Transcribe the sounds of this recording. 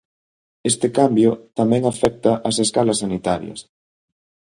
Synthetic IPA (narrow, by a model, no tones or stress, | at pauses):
est̪ɪkambjʊt̪amɛ̃ŋafɛk̚t̪ɐʔɐseskalɐsːanit̪aɾj̰ɐ̰s